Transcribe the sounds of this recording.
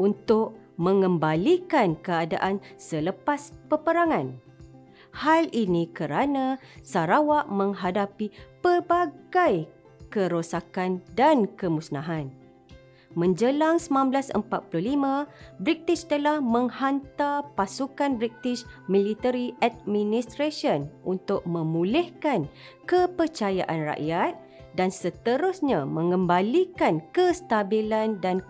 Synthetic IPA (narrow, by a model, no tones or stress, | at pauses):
unt̪ʊk̚ | mə̃ŋə̃mbalikankəadaʔansələpaspəpəɾaŋãn | halinĩkəɾanãsaɾawaʔmə̃ŋɦadapipəbaɡaj | kəɾosakandankəmũsnaɦan | mə̃ɲd͡ʒəlaŋsəmãnblasə̰mpat̪̚puluhlimãbɾik̚t̪it͡ʃt̪əlahmə̃ŋhant̪apasukanbɾik̚t̪it͡ʃmĩlit̪əɾiʔad̚mĩnist̪ɾasənʔunt̪ʊk̚mə̃mulɛhkan | kəpərt͡ʃaja̰ʔanra̰ʔjat̪̚ | dansət̪əɾʊsɲamə̃ŋəmbalikankəst̪abilandan